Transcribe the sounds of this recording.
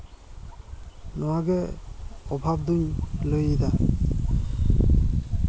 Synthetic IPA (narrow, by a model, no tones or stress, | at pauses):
nɔwaɡɛ | ɔbʱab̚d̪unlojid̪a